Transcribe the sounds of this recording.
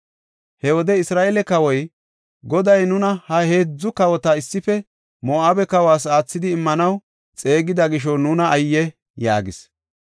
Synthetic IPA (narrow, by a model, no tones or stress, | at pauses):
hɛwɔd̪ɛɪsɾaːʔeːlɛkɐwɔj | ɡɔd̪ɐjnʊnɐhɐheːd͡zːʊkɐwɔt̪ɐɪsːɪfɛ | mɔʔaːbɛkɐwaːs̬aːt͡sːɪd̪ɪːmːɐnɐw | t͡sʼe̞ːɡɪd̪ɐɡɪʃ̬ɔnuːnɐːjːɛ | ja̰ːɡɪs